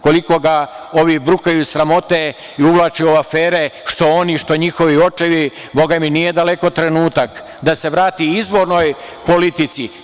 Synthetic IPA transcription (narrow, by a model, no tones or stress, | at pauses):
ko̞liko̞ɡao̞ʋibɾukajusɾamo̞t̪e | iuʋlˠaːt͡ʃeuafeːɾe̞ʃt̪o̞oniʃt̪o̞ɲixo̞ʋio̞t͡ʃeʋi | bo̞ɡaminije̞d̪ale̞ko̞t̪ɾe̞nuːt̪ak | d̪ase̞ʋɾaːt̪iizʋo̞ɾno̞j | po̞lit̪it̪si